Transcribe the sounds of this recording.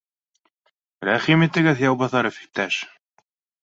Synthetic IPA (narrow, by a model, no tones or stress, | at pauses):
ɾæχimit̪ɘ̆ɡɘðjɑwbɑθɑɾɘfi̥k̚t̪æʃ